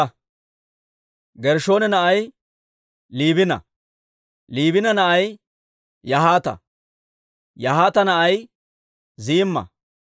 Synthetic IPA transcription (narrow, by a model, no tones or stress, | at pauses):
ɡɛɾʃo̞ːnɛnɐʔɐj | liːβɪnɐ̰ | liːbɪnɐnɐʔɐj | jɐɦaːt̪ɐ̰ | jɐɦaːt̪ɐnɐʔɐj | ziːmːɐ̰